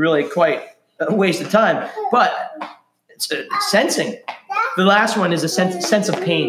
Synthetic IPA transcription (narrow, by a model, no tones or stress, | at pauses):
ɹɪlˠikʰw̥aɪt̚ | weɪstʌv̥tʰãɪ̃mb̥ʌt̚ | ɪtsɨsɛ̃nsɪ̃ŋðəlæst̚wʌ̃nɨzɨsɛ̃nsɨsɛ̃nsʌv̥pʰẽɪ̃n